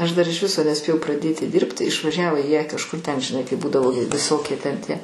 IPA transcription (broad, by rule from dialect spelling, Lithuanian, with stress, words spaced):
ɐʃ dɐr ɪʃ ˈʋʲɪsoː nʲɛˈsʲpʲeːjɛʊ prɐˈdʲeːtʲɪ ˈdʲiːrʲpʲtʲɪ ɪʃʋɐˈʒʲæːʋoː jiɛ kɐʃˈkʊr tʲɛn ʒʲɪˈnɐɪ kɐɪp ˈbuːdɐʋoː ʋʲɪˈsoːkʲiɛ tʲɛn tʲiɛ